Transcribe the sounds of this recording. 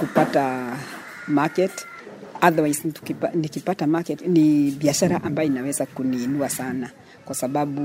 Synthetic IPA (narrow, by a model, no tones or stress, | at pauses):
kupata | makɛt | aðawajsntu̥kipanikipatamakɛtniɓiaʃaɾaʔambajɔinawɛzakuniːnuasana | kwasaɓaɓu